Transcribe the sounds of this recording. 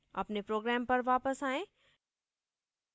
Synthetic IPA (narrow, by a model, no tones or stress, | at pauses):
ɐ̰pnepɾoːɡɾɛːmpɐɾʋaːpəsaːẽ